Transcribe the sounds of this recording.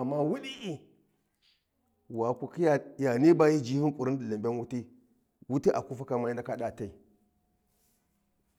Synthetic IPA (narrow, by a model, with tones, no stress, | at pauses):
a˨mːa˦wu˦ɗi˦ʔ | wa˨kʷu˨ki˦ja˨ja˨ni˦ba˦ji˦d͡ʒi˦hi˦ŋkʷʼu˨ɾi˦n˦di˨li˨mbe˦nwu˦ti˦ | wu˦ti˦ʔa˨ku˦fa˦ka˦ma˦ji˦nda˦ka˦ɗa˦˨ta˦i˨